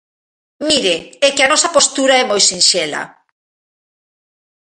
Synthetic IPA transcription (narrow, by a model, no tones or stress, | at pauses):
miɾɪɛkɪɐnɔsɐpost̪uɾaɛmojsinʃɛlɐ̰